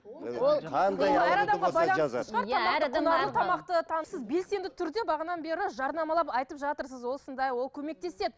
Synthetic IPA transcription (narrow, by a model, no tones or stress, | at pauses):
qʰɑnɑɾɑd̪ɑqɑbɑjlˠɑnsəəʃʁɑɾʰɑmɑqt̪ət̪ənɑət̪ʰɑmɑqt̪ət̪ʰɑnəsəzbe̞lse̞nd̪ɪt̪ʰʏɾd̪e̞bɑʁənɑnbe̞ɾɪʒɑɾnɑmɑlˠɑpɑjt̪əpʒɑt̪əɾsəzwo̞lˠsənd̪ɑjwo̞lˠkʲʰɵme̞k̚t̪e̞se̞d̪ɪ